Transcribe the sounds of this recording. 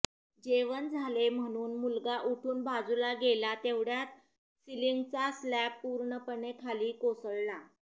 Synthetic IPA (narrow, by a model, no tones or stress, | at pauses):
d͡ʑeʋənd͡zʱalem̤əɽ̃uːnmulɡaʔuʈʰuːnbʱad͡zulaɡelat̪eʋɽjat̪̚ | siliŋɡt͡saslæppːuɾɳəpəɳekʰaliːkosəɭla